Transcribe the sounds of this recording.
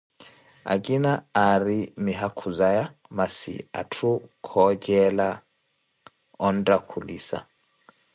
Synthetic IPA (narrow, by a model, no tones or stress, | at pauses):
a̰kʼinaaɾimiɦakʰuzajamasḭa̰tʰukʰɔd͡ʒɛla | ɔndakʰulisa̰